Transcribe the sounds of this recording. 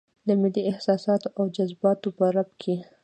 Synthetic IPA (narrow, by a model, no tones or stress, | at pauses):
d̪əmɪlːiɪhsɑsɑt̪oawd͡ʒazbɑt̪opəɾabkʰe